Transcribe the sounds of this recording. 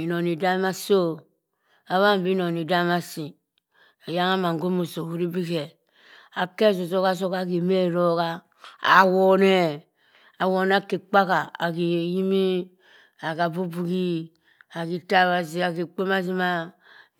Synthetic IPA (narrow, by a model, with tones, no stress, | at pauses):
i˨no˨ni˨da˦ma˦so˦ | a˨βa˦m˨bi˦no˨ni˨da˦ma˦si˨ | e˨ja˦ŋa˦ma˨ŋ˨ɡo˦mo˨so˨wu˦ɾi˦bi˦ke˨ | a˨ke˦˨s̬o˨so˦ka˦s̬o˦ka˦˨ki˨me˦˨ɾo˦ka˦ | a̰˨wo˨ne˦˨ | a˨wo˨n˦a˦ke˨k͡pa˦ka˨a̰˨ki˨ji˦mi˦ | a˨ka˨bu˦bu˦ɡi˦ | a˨ki˨ta˦˨βa˨s̬i˦a˨ki˨k͡pe˦ma˦s̬i˦ma˦